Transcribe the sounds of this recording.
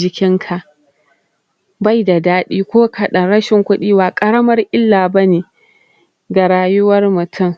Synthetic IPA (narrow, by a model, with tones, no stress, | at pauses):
d͡ʒɪ˦kʲɪ˦ŋkʰa˨ʔ | ba˦˨jda˨daː˦ɗiː˦kʷoː˦kʰɐ˨ɗɐ˨nɽɐ˦ʃɪ˨ŋkʷʊ˦ɗiː˦waː˨kʼɐ˦ɾɐ˦mɐ˦rʔɪ˦lːaː˨bɐ˦neː˨ | ɡa˨ɽaː˦jʊ˦wɐ˦rmʊ˨tʰʊ˦˨ŋ